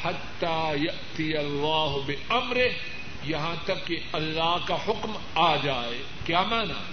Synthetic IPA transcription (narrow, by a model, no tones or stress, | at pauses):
ħɐt̪ːaːjɐʔt̪ɪjɐlːaːɦʊbɪɐmɾɪɦ | jɐɦãt̪ɐkːeɐlːaːɦkaħʊkm | aːd͡ʒaːeː | kjaːmaːna̰ː